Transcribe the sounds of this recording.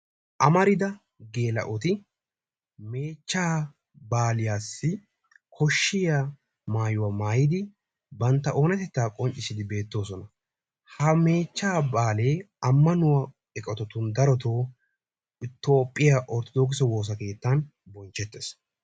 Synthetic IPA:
ʔɐmɐɾɪd̪ɐ | ɡe̞ːlɐ̰ʔɔt̪ɪ | me̞ːt͡ʃːaː | baːlɪjaːsːɪ | kʰɔʃːɪja | maːjʊwamaːjɪd̪ɪ | bɐnt̪ːɐʔo̞ːnɐt̪ɛt̪ːaːkʼɔnt͡ʃʼɪsɪd̪ɪbe̞ːt̪ːo̞ːsɔnɐ | hɐme̞ːt͡ʃːaːbaːle̞ː | ɐmːɐnʊwɐ | ɛkʼɔt̪ɔt̪ʊnd̪ɐɾɔt̪oː | ɪt̪o̞ːpʼːɪjaʔɔɾt̪ɔd̪oːk̬ɪsɔwo̞ːs̬ɐke̞ːt̪ːan | bɔnt͡ʃːɛt̪ːes

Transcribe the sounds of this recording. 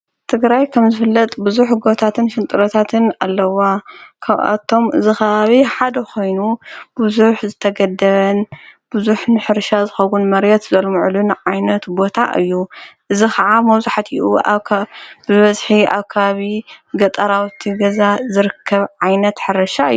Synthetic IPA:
t̪ʰɨɡɾajkʰɐmzɨfɨlːɐt̪ʼbɨzuħɡo̞t̪ʰat̪ʰɨnʃɨnt̪ʼɨɾot̪ʰat̪ʰɨnalːɐwakʰaβʔa̰t̪ʰo̞mɨ̰zixɐβaβiħad̪ɐkʰo̞jnub̥uzuħzɨt̪ʰɐɡɐd̪ɐβɐnb̥uzuħnɨħɨɾʃazɨxɐwunmɐɾjɛt̪zɐlmɨʕlunʕajnɐt̪bo̞t̪ʰa̰ʔɨ̰jːuʔɨzikʰɐʕamɐwzuħat̪iʔu | bɨβɐzħiʔa̰βkʰɐβaβiɡɐt̪ʼɐɾawt̪ʰiɡɐzazɨɾɨkʰːɐβʕajnɐt̪ħɨɾɐʃaɨ̰j

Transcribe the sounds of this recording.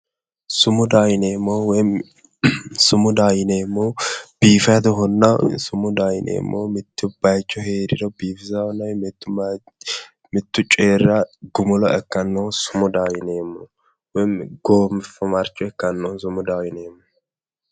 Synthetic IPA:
sʊmʊd̪aːjneːmːowɔjm | sʊmʊd̪ajɪneːmːɔb̥iːfɐt̪̬ɔɦɔnːɐsʊmʊd̪aːjɪnḛːmːomɪt̪ːɪbajt͡ʃːɔɦeːd̪ɪd̪ɐwbiːfɪzɐhɔnːɐwɛt̪ːʊ | mɪt̪ːʊt͡ʃʼeːɾɐɡʊmʊlɐɛkːɐnːɔsʊmʊd̪aːjɪneːmːɔ | wɔjmɡ̥oːmɪfɐmaɾt͡ʃːɔɛkːɐnːɔns̬ʊmʊd̪awɪneːmːɔ

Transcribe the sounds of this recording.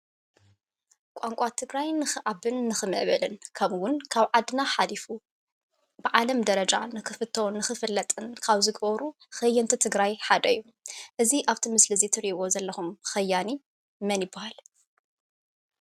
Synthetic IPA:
kʷʼaŋkʷʼat̪ʰɨɡɾajnɨxɨʔabɨnːɨxɨmɨ̰ʕβɐlɨnkʰɐmwʊnkʰaβʕad̪naħalifu | bɨʕalɐmd̪ɐɾɐd͡ʒa̰nɨxɨfɨt̪ʰːɐwnːɨxɨfɨlːɐt̪ʼɨnkʰaβzɨɡbɐɾu | xɐjːɐnt̪ʰit̪ʰɨɡɾajħad̪ɐjːu | ʔɨziʔaβt̪ʰimɨslɨzit̪ʰɨɾiβo̞zɐlːɐxumxɐjːani | mɐnjɪbːahal

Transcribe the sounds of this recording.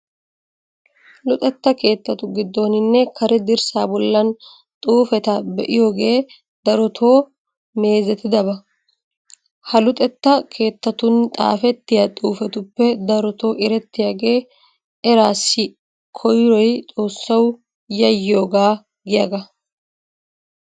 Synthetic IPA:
lʊt̪ʼɛt̪ːɐke̞ːt̪ːɐt̪ʊɡɪd̪ːo̞ːnɪnːɛkʰɐɾɛd̪ɪɾsaːbɔlːɐn | t̪ʼuːfɛt̪ɐbɛʔɪjo̞ːɡe̞ː | d̪ɐɾɔt̪ʰo̞ː | me̞ːzɛt̪ːɪd̪ɐbɐ | hɐlʊt̪ʼɛt̪ːɐkʰe̞ːt̪ːɐt̪ʊnt̪ʼa̰ːfɛt̪ːɪjat̪ʼuːfɛt̪ʊpːɛd̪ɐɾɔt̪o̞ːʔɪɾɛt̪ːɪjaɡeː | ɛɾaːsːɪ | kʰɔjɾɔjt̪ʼo̞ːsːɐw | jɐjːo̞ːɡaː | ɡɪjɐɡɐ

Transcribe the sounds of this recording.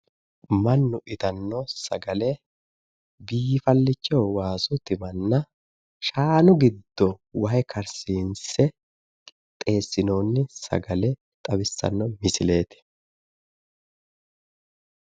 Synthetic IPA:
mɐnːʊʔɪt̪ɐnːɔsɐɡɐlɛ | biːfɐlːɪt͡ʃːɛwwaːsʊt̪ɪmɐnːɐ | ʃaːnʊɡɪd̪ːɔwɐjkʰɐɾsiːnsɛ | t̪ʼe̞ːsːɪno̞ːnːɪsɐ̰ɡɐlɛ | t̪ʼɐbɪsːɐ̰nːɔmɪsɪle̞ːt̪ɪ̥

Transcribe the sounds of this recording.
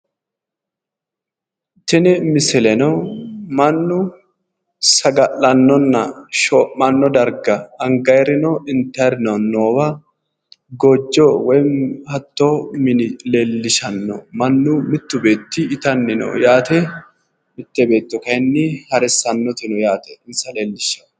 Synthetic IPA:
t̪ɪnɪmɪsɛlɛnɔmɐnːʊ | sɐɡɐʔɐnːɔnːɐʃɔmɐnːɔd̪ɐɾɡɐɐŋɡɐjɾɪnɔɪnt̪ɛɾɪnɔnːoːwɐ | ɡɔd͡ʒːɔwɔjhɐt̪ːomɪleːlːɪʃɐnːɔ̰mɐnːʊmɪt̪ːʊbe̞ːt̪ːɪːt̪ɐnːɪnɔ̰jaːt̪ɛ | mɪt̪ːɛbe̞ːt̪ːɔkɐnːɪhɐɾɛsːɐnːɔt̪ɪnɔjaːt̪ɛ̥ɪnsɐleːlːɪʃɐ̥n

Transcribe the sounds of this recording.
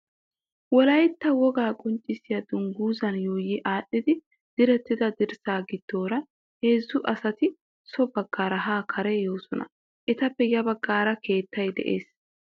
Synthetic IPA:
wɔlɐjɪt̪ːɐwɔɡaːkʼʊnt͡ʃʼːɪsɪjɐd̪ʊŋɡuːzɐnjoːjɪʔaːɗːɪd̪ɪ | d̪̥ɪɾɛt̪ːɪd̪ɐd̪ɪɾsaːɡɪd̪̥ːo̞ːɾɐ | heːzːʊʔɐsɐt̪ɪ | sɔbɐɡːaːɾɐɦaːkʰɐɾɛjo̞ːsɔnɐ̰ | ʔɛt̪ɐpːɛjɐbɐɡːaːɾɐkʰe̞ːt̪ːɐjd̪ɛ̰ʔḛːs

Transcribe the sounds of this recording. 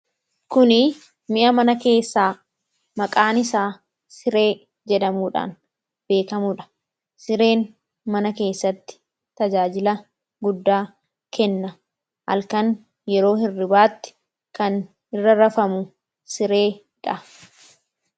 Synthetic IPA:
kʊnɪ | mɪʔɐmɐnɐke̞ːsːaː | mɐkʼaːnɪsaː | sɪɾe̞ː | d͡ʒɛᶑɐmuːᶑa̰ːn | b̥e̞ːkɐmuːᶑɐ̥ | sɪɾe̞ːn | mɐnɐke̞ːsːɐt̪ːɪ̥ | t̪ɐd͡ʒaːd͡ʒɪlɐ | ɡʊd̪ːaː | kɛnːɐ | ʔɐ̰lkɐn | jɛɾo̞ːhɪrːɪbaːt̪ːɪ̥ | kɐn | ɪrːɐɾɐfɐmʊ | sɪɾe̞ː | ᶑɐ

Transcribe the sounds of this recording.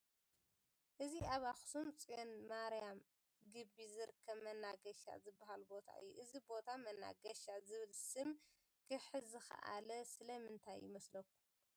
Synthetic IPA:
ʔɨziaβaxsumt͡sʼijonmaɾijam | ɡɨbːizɨɾɨkʰːɐβmɐnaɡɐʃa̰zɨbːaɦalbo̞t̪ʰa̰ʔɨ̰jːuʔɨzibo̞t̪ʰamɐnːa̰ɡɐʃazɨβɨlsɨm | kʰɨħɨzɨxɐ̰ʔa̰lɐsɨlɐmɨnt̪ʰajːɪmɐslɐkːu

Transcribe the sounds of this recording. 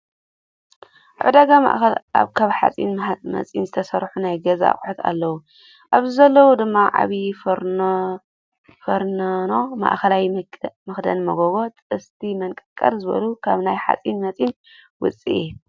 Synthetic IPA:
ʔa̰ʕd̪aɡama̰ʔɐlʔa̰βkʰaβħa̰t͡sʼḭnmɐ̰t͡sʼḭnzɨt̪ʰɐsɐɾħunajɡɐza̰kʼħut̪ʰa̰lːɐwu | ʔaβzizɐlːɐwud̪ɨmːaʕa̰βifɾ | fɐɾnnoma̰ʔxɐlawmɨxd̪ɐ̰nmɐɡoɡo̞t̪ʼɨst̪ʰimɐnkʼɨkʼːɐɾzɨβɐ̰lukʰaβnajħa̰t͡sʼinmɐt͡sʼin | wʊt͡sʼḭʔɛ

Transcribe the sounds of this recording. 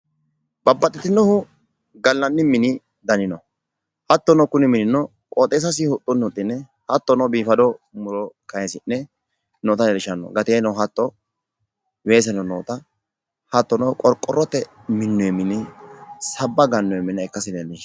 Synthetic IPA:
bɐbːɐt̪ʼːɪt̪ːɪnɔhʊ | ɡɐlːɐnːɪmɪnɪ | d̪ɐnɪnɔ | hɐt̪ːɔnɔkʊnɪmɪnɪnɔ | kʼoːt̪ʼeːs̬ɐs̬ɪhʊt̪ʼːɔnʊt̪ʼːɪnːɛ | hɐt̪ːɔnɔbiːfɐd̪ɔmʊɾɔkɐɛsɪnːɛ | noːt̪ɐɛlɪʃɐnːɔ̰ɡɐt̪eːnɔɦɐt̪ːɔ | weːs̬ɛnɔnoːt̪ɐ | hɐt̪ːɔnɔkʼɔɾkʼːɔɾɔt̪ːɛ | mɪnːɔɛmɪnɪsɐbːɐɡɐnːɔjɛmɪnːɛɛkːɐsɪd̪ɛnːɪ

